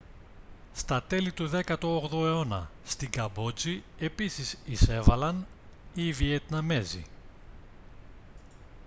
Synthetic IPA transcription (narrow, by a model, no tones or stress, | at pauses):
st̪ɐt̪e̞lit̪uðe̞kɐt̪oːɣðoe̞o̞nɐ̰st̪iŋɡɐbo̞d͡zie̞pisisise̞vɐlɐniːviet̪nɐme̞zḭ